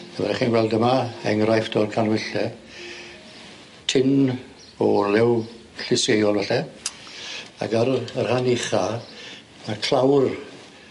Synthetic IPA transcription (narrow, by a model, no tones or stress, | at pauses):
əvɛɾɛχiːnɡwɛlˠdəmaɛŋrajfd̥ɔrkʰanwɪɬɛ | tʰɪn | ɔlɪw | ɬɪsejɔlˠvɛɬɛ | a̰ɡərərhanɪχa | nakʰl̥awr